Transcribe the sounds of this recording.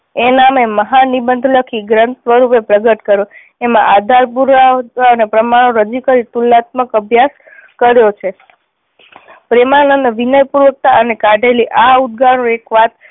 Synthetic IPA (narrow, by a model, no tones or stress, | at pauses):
enameməɦanibənd̪ʱləkʰiɡɾənt̪ʋəɾupepɾəɡəʈ̪kəɾo | emã̰ʔad̪ʱaɾpuɾaanepɾəmaɽ̃oɾəd͡ʒikəɾit̪ulːat̪̚məkəbʱjas | kəɾjot͡ʃʰe | pɾemanənʋinəjpuɾʋək̚t̪aʔənekaɖʱeliʔaud̪̚ɡaɽ̃oekʋat̪̚